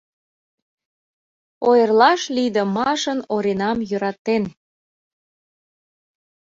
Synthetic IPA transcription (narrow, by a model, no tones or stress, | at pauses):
ojərlɑʃlid̪ə̆mɑʃənoɾenɑmjøɾɑt̪en